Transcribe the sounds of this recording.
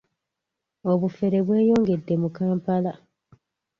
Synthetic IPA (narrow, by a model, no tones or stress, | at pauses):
o̞βufe̞ɾe̞βwe̞ːjo̞ːŋɡe̞dːe̞mukaːmpala